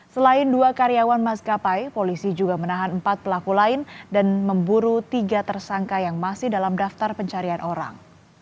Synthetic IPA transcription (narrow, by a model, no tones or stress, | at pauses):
səlaɪnduakaɾiawanmaskapajpolisid͡ʒuɡamənaɦanəmpat̪̚pəlakulaɪndanməmbuɾut̪iɡat̪ərsaŋkajaŋmasɪhdalamdaft̪arpəɲt͡ʃaɾianʔoɾa̰ŋ